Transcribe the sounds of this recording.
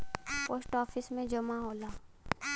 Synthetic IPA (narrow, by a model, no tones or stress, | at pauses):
poːsʈɔːfɪsmẽd͡ʒɐmaɦoːlaː